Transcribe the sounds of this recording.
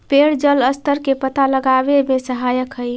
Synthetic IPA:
peɽd͡ʒələst̪əɾkepət̪aləɡabemesəɦajəkɦəj

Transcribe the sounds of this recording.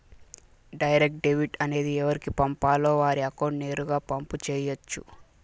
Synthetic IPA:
ɖɐjɐɾek̚ʈ̚ɖeʋiʈɐne̞ːd̪iɛʋɐɾikipɐmpaːlo̞ːʋaːɾiɐkoːɖne̞ːɾuɡaːpɐmput͡ʃɛːjot͡ʃːṵ

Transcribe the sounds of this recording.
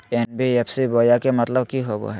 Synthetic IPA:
enbiepʰsiboːjakemət̪ləbkiɦobo̰ɦɛ

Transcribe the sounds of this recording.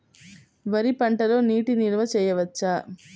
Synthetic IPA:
ʋɐɾipɐɳʈɐlo̞ːniːʈiniɾɐʋɐt͡ʃɛːjɐʋɐt͡ʃːaː

